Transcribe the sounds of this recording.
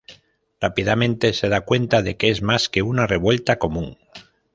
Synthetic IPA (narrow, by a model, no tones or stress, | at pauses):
rapið̞amẽ̞nt̪e̞se̞ðakwe̞nt̪aðe̞keezmaske̞unare̞βwe̞lt̪ako̞mũŋ